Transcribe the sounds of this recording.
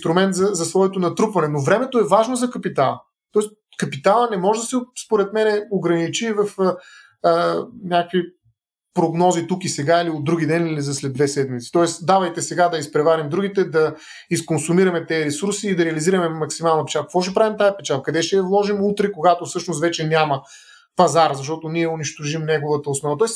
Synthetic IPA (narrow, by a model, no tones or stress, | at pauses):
st̪ɾʊmɛnt̪zɐzɐsvɔjɛt̪onɐt̪ɾupvɐnɛnovɾɛmɛt̪oɛvaʒnozɐkɐpit̪alˠə̰ | t̪ɔɛs | kɐpit̪alˠənɛmɔʒɛd̪ɐsɛspoɾɛt̪mɛnɛoɡɾɐnit͡ʃivɐfə | ənʲakəkvi | pɾoɡnɔzit̪ukisɛɡailiod̪ːɾuɡʲid̪ɛnilizɐslɛd̪d̪vɛsɛd̪mit̪si̥t̪ɔɛsd̪avɐjt̪ɛsɛɡad̪ɐispɾɛvaɾimd̪ɾuɡit̪ɛd̪ɐ | iskonsumiɾɐmɛt̪ɛːɾɛsuɾsiːd̪ɐɾɛɐliziɾɐmɛmɐksimalˠnɐpɛ̥t͡ʃaɾkəkvɔʃ̬ɛpɾavimt̪ajɛpɛt͡ʃaəkɐd̪ɛʃt̪ɛjɐvlˠɔʒimut̪ɾɛkoɡat̪ofsɤʃnʊst̪vɛt͡ʃɛnʲamɐ | pɐzaɾzɐʃ̬t̪ɔt̪oniɛʊniʃt̪oʒimnɛɡovət̪əʊsnɔvɐt̪ɔɛs